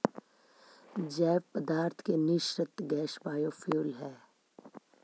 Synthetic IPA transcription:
d͡ʒɛːʋpəd̪aːɾt̪ʰkenɪʃɾət̪ɡɛːʃbaːjofʰjuːlɦɛː

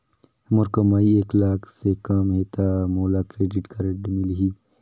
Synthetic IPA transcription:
məɾkɐmaːieːklaːkʰsekaːmɦeːt̪amoːlaːkɾeːɖɪʈkɐɾeʈmɪlɦi

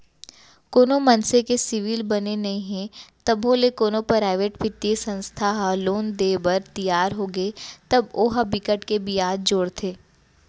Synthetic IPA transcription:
koːnomɐnsekesɪʋilbɐnenɐɦĩɦɛ̃t̪ɐbɦolekoːnopɾaːɪʋeːʈbʱɪt̪iesɐ̃nst̪ʰaɦaloːnd̪eːbəɾt̪ijaːɾɦoːɡəet̪ɐboːɦabɪkəʈkebiaːd̚d͡ʒoːɽt̪ʰeː

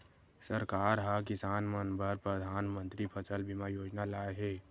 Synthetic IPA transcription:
səɾkaːɾɦak̬ɪsaːnmənbʱəɾpɾəd̪ʱaːnmə̃nt̪ɾipʰət͡ʃəlbɪmajoːd͡ʒnalaːeɦɛː

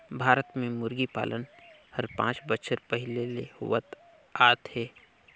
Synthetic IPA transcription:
bʱaːɾət̪mẽmʊɾɡipa̰ːlʔənhɐɾpã̰ːt͡ʃbəʃʰəɾpɐɦɪlelehʊ̰ʋət̪ | aːt̪heː

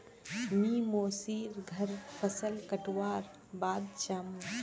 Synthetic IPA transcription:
mimoːsiːɾɡʱəɾpʰəsəlkəʈwaːɾ | baːd̪̚t͡ʃaːm

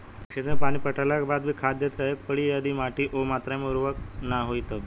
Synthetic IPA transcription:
kʰend̪ɾəpaɽ̃ipəʈaljakbad̪bʱiːkʰad̪jət̪ɾəjək̚pəɽijad̪imaʈiʔomat̪ɾameuɾʋəknaɦojt̪ə

